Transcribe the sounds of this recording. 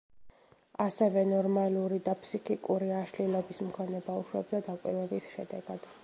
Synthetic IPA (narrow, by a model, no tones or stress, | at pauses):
asɛvɛnɔɾmaluɾid̪apʰsikʰʼikʼuɾiaʃlilɛbismkʰɔnɛbawʃwɛbd̪ad̪akʼwivɛbisʃɛ̰d̪ɛɡ̥ad̪̥